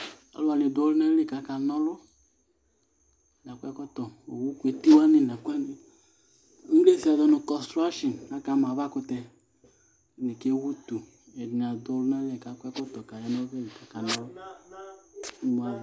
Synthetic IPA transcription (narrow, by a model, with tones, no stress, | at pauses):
a̰˨lu˦a˨ni˨do˦lʊ˦nɛ˦le˦˨ka˨˦ka˨nɔ˦lʊ˦˨ | n˨a˨kʷɛ˦kɔ˦tɔ˨o˨wu˦kʷu˨e˨ti˦wa˦ni˨na˨kʷɛ˦n˨˦ | le˦si˦a˨dɔ˦nu˧kɔ˨stɾa˦ʃi˨na˦ka˨˦ma˨βa˦kʊ˧tɛ˧˨ | ne˨ke˦wu˦tu˨ | ɛ˨dn˨a˨do˨˦lʊ˦nɛ˦le˨ka˨˦kʷɛ˦kɔ˦tɔ˨ka˨ja˦nɔ˦ve˦li˨ka˨˦ka˨nɔ˦lʊ˦ | m˨a˨